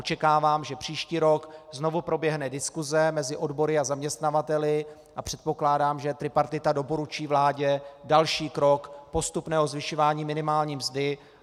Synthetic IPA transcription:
ot͡ʃɛkaːvaːmʒɛpr̝̥iːʃciːɾo̞kzno̞vupɾo̞bjɛɦnɛdɪskuzɛmɛzɪʔo̞dbo̞ɾɪazamɲɛst̪navat̪ɛlɪ | ʔapr̝̥ɛt̪̚po̞klaːdaːmʒɛt̪ɾɪpaɾt̪ɪt̪ado̞po̞ɾut͡ʃiːvlaːɟɛdalʃiːkɾo̞kpo̞st̪upnɛːɦo̞zvɪʃovaːɲiːmɪnɪmaːlɲiːmzdɪ

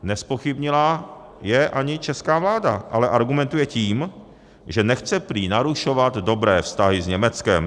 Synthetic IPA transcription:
nɛspo̞xɪbɲɪlajɛʔaɲɪt͡ʃɛskaːvlaːda̰ʔalɛʔaɾɡumɛnt̪ujɛciːm | ʒɛnɛxt͡sɛpɾiːnaɾuʃovat̪do̞bɾɛːfst̪aɦɪzɲɛmɛt͡skɛm

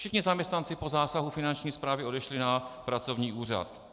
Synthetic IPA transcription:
fʃɪxɲɪzamɲɛst̪nant͡sɪpo̞zaːsaɦufɪnant͡ʃɲiːspɾaːvɪo̞dɛʃlɪnapɾat͡so̞vɲiːʔuːr̝a̰t̪

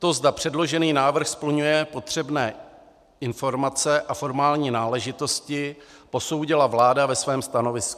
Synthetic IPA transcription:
t̪o̞zdapr̝̥ɛdlo̞ʒɛniːnaːvr̩xspl̩ɲujɛpo̞t̪r̝̥ɛbnɛː | ɪnfo̞ɾmat͡sɛʔafo̞ɾmaːlɲiːnaːlɛʒɪt̪o̞scɪpo̞so̞wɟɪlavlaːdavɛsvɛːmst̪ano̞vɪsku̥

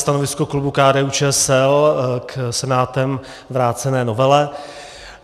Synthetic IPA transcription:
st̪anovɪskoklubukaːdɛːut͡ʃɛːsɛlksɛnaːt̪ɛm | vɾaːt͡sɛnɛːnovɛlɛ

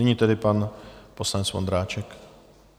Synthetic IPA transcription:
ɛɲiːt̪ɛdɪpanposlaɲɛt͡svond̪ɾaːt͡ʃɛk

